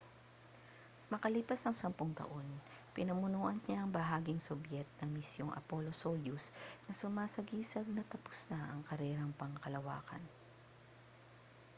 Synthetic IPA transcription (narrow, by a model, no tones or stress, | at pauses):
mɐkɐlipɐsɐŋsɐmpʊŋt̪ɐ̰ʔo̞n | pɪnɐmʊnuːʔɐnɲaɐŋbɐɦaːɡɪŋsʊbjɛt̪̚nɐŋmɪsjoŋʔɐ̰polosojusnɐsʊmaːsɐɡiːsɐɡ̚nɐt̪ɐpʊ̥snaʔɐŋkɐɾɛːɾɐŋpɐŋkɐlɐwa̰ːkɐ̰n